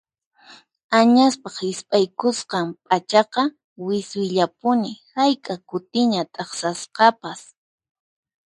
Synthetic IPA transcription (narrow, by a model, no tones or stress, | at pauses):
aɲaspɑχɪspʼajkʊsqɑmpʼat͡ʃɑqɑ | wɪswɪʎapʊnɪhajkʼakʊt̪ɪɲat̪ʼɑχsasqɑpas